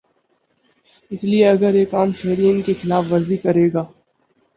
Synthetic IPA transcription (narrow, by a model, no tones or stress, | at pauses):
ɪslieɐɡəɾeːkaːmʃɛɦɾiɪŋkexɪlaːfʋɐɾzikɐɾeːɡaː